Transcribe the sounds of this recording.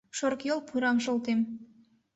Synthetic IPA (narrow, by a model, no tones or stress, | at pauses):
ʃoɾkjolˠpʰuɾɑmʃŏlˠt̪em